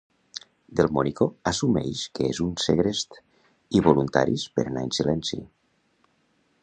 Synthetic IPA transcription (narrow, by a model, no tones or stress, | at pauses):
d̪elˠmɔnikoasumɛ̰jʃkeezunseɣɾest̪ | iβolunt̪a̰ɾispḛɾanainsilɛnsḭ